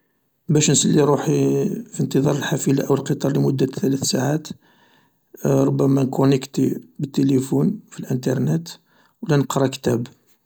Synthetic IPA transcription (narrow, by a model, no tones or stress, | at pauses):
bæʃnsəlːiɾuħifint̪əðˤɑɾˤəlħafilaʔəwəlqət̪ˤɑɾˤlimʊd̪ːæt̪ːælæθsaʕat̪ | ɾˤʊbːæmænkunəkt̪ibət̪ːelifunfilʔənt̪ɑɾˤnæt̪ | wlænəqɾˤɑkt̪æb